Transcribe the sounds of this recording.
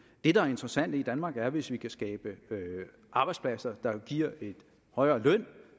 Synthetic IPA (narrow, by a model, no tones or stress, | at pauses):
d̥e̝d̥ɑ̈æɐe̝nd̥ʁɐsæn̰d̥əid̥ænmɑ̈ːɡ̥æɐʋe̝sʋikʰæsɡ̥ɛːb̥əø | ʔɑ̈ːb̥ɑ̈ɪd̥spʰlæsɐd̥ɑ̈ɡ̥iɐ̰e̝d̥ | hɒ̽ɪɐːlœn̰